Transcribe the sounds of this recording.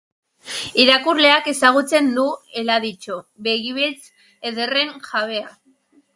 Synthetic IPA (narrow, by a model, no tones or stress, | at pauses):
iɾakurle̞ake̞saɣ̞ut͡se̞nd̪ue̞laðit͡ʃoβe̞ɣiβilt͡s | eðe̞re̞ŋʝaβe̞a